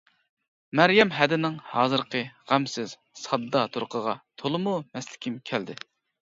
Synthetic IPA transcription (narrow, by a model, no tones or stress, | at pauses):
mæɾjɛmɦɛd̪ɪnɪŋhɑːzɨɾqəʁæmsɪz̥ | sɑd̪ːɑt̪ʰuɾqʰəʁɑt̪ʰolˠɨmumɛslɪ̥kʲimkʲʰæld̪ɪ